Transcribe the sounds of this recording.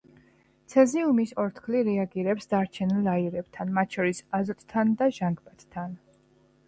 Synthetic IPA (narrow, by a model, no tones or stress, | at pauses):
t̪sʰɛziumisɔɾt̪ʰkʰliɾɛaɡiɾɛpsd̪aɾt͡ʃʰɛnilaiɾɛb̚t̪ʰanmat̪ʰʃɔɾisazɔt̪ʰʼt̪ʰːand̪aʒaŋɡbat̪t̪ʰːan